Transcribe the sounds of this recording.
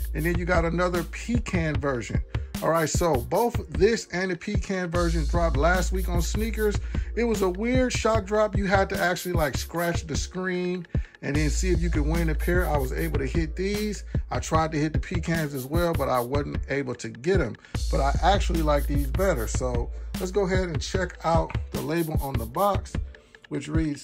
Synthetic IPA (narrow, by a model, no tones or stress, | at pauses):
ɨ̃nðɨ̃njɨɡɑɾɨnʌðə˞pʰikʰæ̃nvɜ˞ʒɨ̰̃nɔlˠɹaɪtsoʊboʊθðɪsɨ̃nɨpʰikʰæ̃nvɜ˞ʒɨ̃ndɹɑp̚tˡlæst̚wikn̩snikə˞zɨt̚wʌzəwɪɹd̥ʃɑt̚dɹɑpjɨɨd̚tɨʔæk̚t͡ʃʉl̩ˠilaɪkskɹæt͡ʃðɨskɹĩn | ɨ̃nðɨ̃nsiɨfjɨkɨd̚wɪ̃ñɨpʰɪɹaɪwʌzḛɪbl̩ˠtɨhɪt̪̚ðizaɪtʰɹ̥aɪd̚tɨhɪt̪̚ðɨpʰikʰæ̃nzɨzwɛlˠbʌɾaɪwʌzn̩teɪbl̩ˠtʰɨɡɛɾɨ̃m | b̥ʌɾaɪʔæk̚t͡ʃul̩ˠilaɪk̚ðizbɛɾə̰˞soʊlətsɡ̥oʊəɦɛɾɨ̃nt͡ʃʰɛkʰaʊt̪̚ðəleɪbl̩ˠʔə̃nðəbɑks | wɨt͡ʃɹidz̥